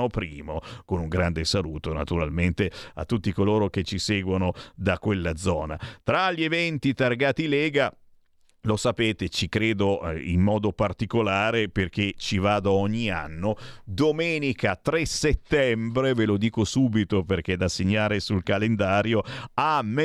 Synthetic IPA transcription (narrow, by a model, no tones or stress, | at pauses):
opɾiːmokonuŋɡɾand̪esalṵːt̪ona̰t̪uɾalment̪ea̰t̪ːut̪ːikoloːɾok̟et͡ʃːisɛːɡwonod̪akːwelːad̪zɔːna̰t̪ɾaʎːievɛnt̪it̪arɡaːt̪ilɛːɡa | losapeːt̪et͡ʃikɾeːd̪oḭmːɔːd̪opart̪ikolaːɾeperk̟et͡ʃivaːd̪oɔɲːia̰nːod̪omɛːnikat̪ɾɛset̪ːɛmbɾevelod̪iːkosuːbit̪operk̟ed̪aseɲːaːɾesulkalend̪aːɾjoame